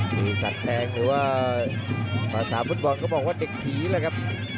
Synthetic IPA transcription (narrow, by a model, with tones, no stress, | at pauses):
sɯː˨˩sa˨˩t̪̚pʰɛː˧ŋɾɯː˩˦waː˥˩ | paː˧˩saː˩˦fu˦˥t̪̚bɔ˧nkʰɔ˥˩bɔː˨˩k̚waː˥˩de˨˩k̚t̪ʰiː˨˩˦lɛː˧˦˩kʰa˦˥p̚